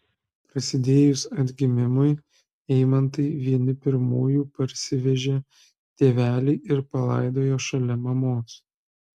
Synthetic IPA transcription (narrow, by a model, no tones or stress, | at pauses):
pɾɐsʲɪd̪ʲeːjʊsɐd̪ʲɡʲɪmʲɪmʊɪ | ɛɪmɐnt̪ɐɪʋʲiɛnʲɪpʲɪɾmuːjuːpɐɾʲsʲɪʋʲɛʒʲeː | t̪ʲeːʋʲæːlʲɛɪʔɪɾpɐlˠɐ̰ˑɪd̪oːjoːʃɐlʲɛmɐmoːs